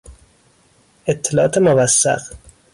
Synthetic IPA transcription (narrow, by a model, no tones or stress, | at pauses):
et̪ʰːelɒʔɒːt̪ʰemovæsːæ̰q